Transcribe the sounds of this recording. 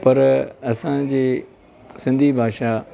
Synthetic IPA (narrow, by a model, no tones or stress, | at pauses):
pɐɾɐsãd͡ʑiː | sɪ̃nd̪ʱibʱaːʃa